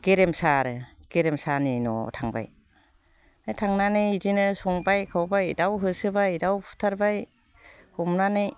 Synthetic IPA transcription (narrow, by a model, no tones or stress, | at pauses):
ɡ̥eɾemsaɾɯɡ̥eɾemsaninɔ̰tʰaŋba̰j | ajtʰaŋnanɯzinɯsɔŋbajkʰawbajdawɦɯsɯbajdawpʰu̥tʰaɾbaj | humnanɯj